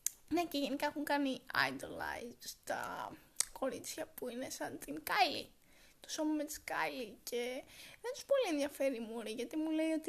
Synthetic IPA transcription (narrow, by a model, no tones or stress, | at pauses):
ne̞ceʝe̞nikɐexuŋkɐniɐ̰jd̪olɐ̰jd̪st̪ɐ̰ | ko̞ɾit͡sçɐpuinesɐnt̪iŋkɐjlḭ | t̪o̥so̞mɐmet̪i̥skɐ̰jlice̞ðent̪u̥spo̞lienðjɐfe̞ɾimuɾiʝɐt̪imule̞io̞t̪i